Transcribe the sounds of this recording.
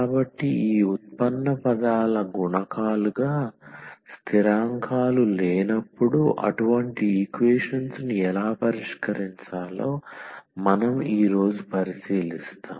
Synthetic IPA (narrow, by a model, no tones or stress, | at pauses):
kaːbɐʈːiiːut̪̚pɐnːɐpɐd̪aːlɐɡuɳɐkaːluɡaːst̪ʰiɾaːŋkʰaːlulɛːnɐpːuɽuʔɐ̰ʈuʋɐɳʈiːkʋeːʂɐnsniɛlaːpɐɾiʂkɐɾiɲt͡ʃaːloːmɐnɐmiːɾo̞ːd͡ʒupɐɾisiːlist̪a̰ːm